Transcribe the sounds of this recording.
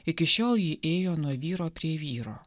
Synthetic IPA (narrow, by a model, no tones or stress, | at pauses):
ɪkʲɪʃʲoːlˠjiːʔeːjoːnuɔʋʲiːɾoːpʲɾʲiɛʋʲiːɾoː